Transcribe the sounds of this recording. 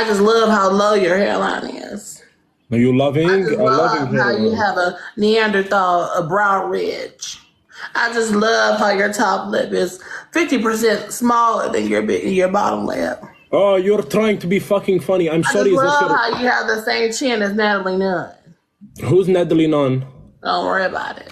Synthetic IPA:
aɪd͡ʒʌstˡlʌv̥haʊloʊjə˞hɛ̰lã̰ɪ̃nɪ̰z̥ | aʊjəlʌvɪ̃ŋəlʌvɪ̃ŋaʊjɨəvəniæ̃ndə˞θɔəbɹãʊ̃nɹɪ̥t͡ʃ | ʔaɪd͡ʒʌstˡlʌv̥ɦaʊjə˞tʰɑplɪ̰pɪz̥fɪftipə˞s̬ɛ̃ntsmɔlˠə̰˞ðɨ̰̃njə˞bɪɪ̰̃njə˞bɑ̰ɾə̰̃mlɛ̰p̚ | ojə˞tʰɹ̥aɪɪ̃ŋtʰəbifʌkɪ̃ŋfʌñiãɪ̃mʃɔɾiʌvhaʊjɨːvðɨsẽɪ̃mt͡ʃʰɪ̃nɨznæɾl̩ˠinʌn | ɦuznɛdlˠinʌ̃nd̥õ̰ʊ̃nʔwɜ̰ɹiɨba̰ʊɾɪ̰t̚

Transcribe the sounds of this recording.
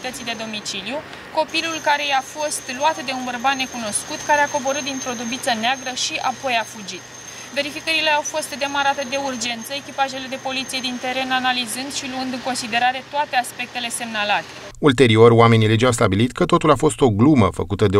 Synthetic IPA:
t̪ət̪sid̪e̞d̪o̞mit͡ʃiliju | ko̞pilulkaɾe̞jafo̞st̪luat̪d̪e̞unbərbat̪ne̞kuno̞skut̪kaɾe̞ako̞bo̞ɾɨt̪̚d̪int̪ɾo̞d̪ubit̪səneaɡɾəʃiapo̞jafud͡ʒit̪ | ve̞ɾifikəɾile̞awfo̞st̪d̪e̞maɾat̪e̞d̪e̞urd͡ʒe̞nt̪səekʲipaʒe̞le̞d̪e̞po̞lit̪sije̞d̪int̪e̞ɾe̞nanalizɨnd̪ʃiluɨnd̪ɨŋko̞nsid̪e̞ɾaɾe̞t̪oat̪e̞aspe̞k̚t̪e̞le̞se̞mnalat̪e̞ | ult̪e̞ɾio̞roame̞niled͡ʒaws̬t̪abilit̪kət̪o̞t̪ulafo̞st̪o̞ɡlumə̰fə̰kut̪əd̪e

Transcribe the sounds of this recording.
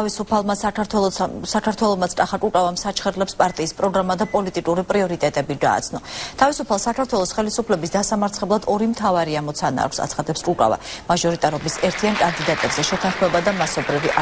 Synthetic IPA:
isupʰalˠmasʰ | sakʰaɾt̪ʰwɛlˠɔmat̪sʰtʼaχakʼukʼavamsat͡ʃʰχɛɾlɛpspʼaɾt̪ʼiːspʼɾɔɡɾamad̪apʼɔlit̪ʼikʼuɾipʼɾiɔɾit̪ʼɛt̪ʼɛbiɡa̰ːt̪sʰnɔt̪ʰavisupʰalˠsakʰaɾt̪ʰwɛlˠɔsχɛlisupʰlɛbisd̪asamaɾt̪sʰχɛblˠad̪ɔɾimt̪ʰavaɾiamɔt̪sʰana̰ːkʷʰsa̰t̪sʰχad̪ɛpskʼukʼa̰va̰maʒɔɾit̪ʼaɾɔbisɛɾt̪ʰiankʼand̪id̪at̪ʼɛbzɛʃɛt̪ʰãnχmɛbad̪amasɔbɾivi

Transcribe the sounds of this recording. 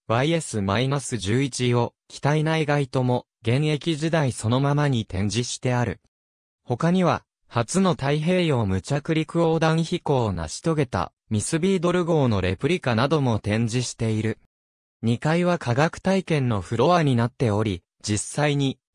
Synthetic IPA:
βaie̞sɨmainasɨʑɨːit͡ɕiokʲi̥t̪ainaiɡait̪o̞mo̞ | ɡẽ̞ɰ̃e̞kʲiʑid̪aiso̞no̞mamaɲ̟it̪ẽ̞ɲ̟d͡ʑiɕi̥t̪e̞aɾɯ̟̰ | ho̞kaɲ̟iβa | hat͡sɨno̞t̪aiɦe̞ːjo̞mɯ̟t͡ɕakɯ̟ɾʲikɯ̟o̞ːd̪ãɰ̃çiko̞ːna̰ɕi̥t̪o̞ɡe̞t̪a̰ | mʲisɨbʲiːd̪o̞ɾɯ̟ɡo̞ːno̞ɾe̞̰pɯ̟ɾʲikanad̪o̞mo̞t̪ẽ̞ɲ̟d͡ʑiɕi̥t̪e̞iɾɯ̟ | ɲ̟ikaiβakʰaɡakɯ̟̥t̪aikẽ̞nːo̞ɸɯ̟ɾo̞βaɲ̟inat̪ːe̞o̞ɾʲi | d͡ʑisːaiɲ̟i

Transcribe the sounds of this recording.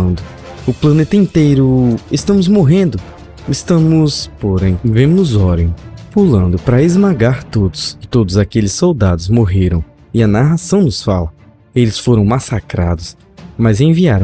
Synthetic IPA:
nd̪ʊ | ʊplɐ̃net̪ɐĩnt̪ejɾʊɪst̪ɐ̃mʊzmoɦẽnd̪ʊ | ɪst̪ɐ̃mʊspoɾẽj̃vẽmʊnʊzɔɾẽj̃pulɐ̃nd̪ʊpɾɐezmaɡaɾt̪od̪ʊsɪt̪od̪ʊzakelɪsowd̪ad̪ʊzmoɦeɾɐ̃w̃ | ɪɐnaɦasɐ̃w̃nʊsfalɐ | elɪsfoɾɐ̃w̃masakɾa̰d̪ʊs | mɐzẽviaɾɐ̃

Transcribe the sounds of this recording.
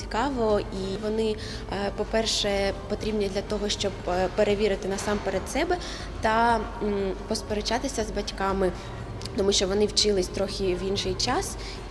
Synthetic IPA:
i̥kɑʋɔiʋɔnɪ | pɔpɛrʃɛpɔt̪ɾʲibnʲid̪lʲɐt̪ɔɦɔʃt͡ʃɔbpeɾeʋʲiɾɪt̪ɪnɐsɑmpeɾed̪sɛbɛ | t̪ɐ | pɔspeɾet͡ʃɑt̪ɪsʲɐzbɐtʲkɑmɪ | t̪ɔmuʃt͡ʃɔʋɔnɪwt͡ʃɪlˠɪsʲt̪ɾɔxʲiʋinʃɪjt͡ʃɑs

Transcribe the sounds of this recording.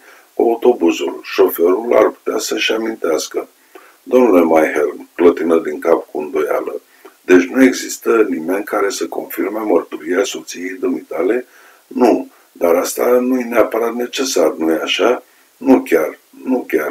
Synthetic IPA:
a̰ut̪o̞buzulʃo̞fe̞ɾula̰rpu̥t̪easəʃamint̪easkə | d̪o̞mnule̞majɦerklət̪inəd̪iŋkapkuɨnd̪o̞ja̰lə | d̪e̞t͡ʃʲnue̞ɡzist̪ənime̞nʲkaɾe̞səko̞̰nfirmemərt̪uɾiaso̞t̪sijejd̪ɨmit̪ale̞ | nu | d̪aɾast̪anujeneapəɾat̪ne̞t͡ʃe̞sarnujeaʃa | nukʲar | nukʲar

